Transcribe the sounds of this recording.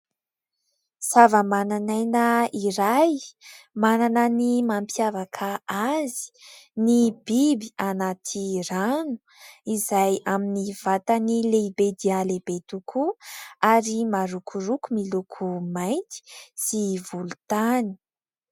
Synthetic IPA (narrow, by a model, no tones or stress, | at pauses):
savəmananajnəiɾajmananənimampjavakʰaazi̥nib̥ibianat̪ʰiranu̥ | izajaminiv̥at̪ənileibed̪ialebet̪ukʰuaɾimaɾukʰurukumilukʰumajnt̪i̥sivulut̪ani̥